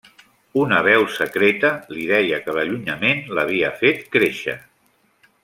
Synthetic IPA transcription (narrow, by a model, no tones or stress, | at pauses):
unəβɛwsəkɾet̪əliðɛjəkələʎuɲəmenləβ̞iəfet̪kɾeʃə̰